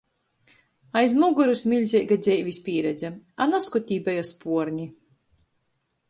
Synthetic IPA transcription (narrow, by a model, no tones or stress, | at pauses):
ajzmuɡuɾusmʲilʲzʲɛjɡad̪zʲɛjvʲisʲpʲiɛɾɛd̪zʲɛanaskut̪ʲiːbajɔspuɔɾɲi